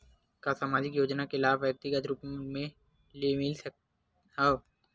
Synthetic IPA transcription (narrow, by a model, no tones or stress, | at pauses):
kasaːmaːd͡ʒɪkjoːd͡ʒnakelaːbʋɛːɾt̪ɪɡət̪ɾupmẽ | limɪlsək | ao